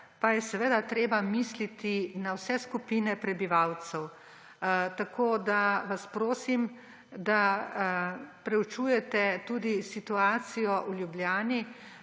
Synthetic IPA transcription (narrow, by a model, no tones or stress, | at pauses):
pajɛsɛʋeːd̪at̪ɾeːbamislit̪inawsɛskupiːnɛpɾɛbiʋaw̪sɛw | t̪akʰoːd̪aʋaspɾoːsim | d̪a | pɾɛut͡ʃujɛt̪ɛt̪uːd̪isit̪uaːt̪sijɔʔuljubljaːni